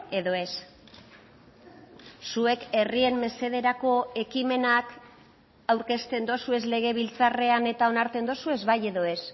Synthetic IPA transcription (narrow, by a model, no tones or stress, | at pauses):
e̞ðo̞e̞s | sue̞ke̞rie̞mme̞se̞ð̞e̞ɾako̞e̞kime̞nak | awɾke̞st̪e̞nd̪o̞sue̞zle̞ɣ̞e̞β̞ilt͡sare̞ane̞t̪ao̞naɾt̪e̞nd̪o̞sue̞zβaje̞ðo̞e̞s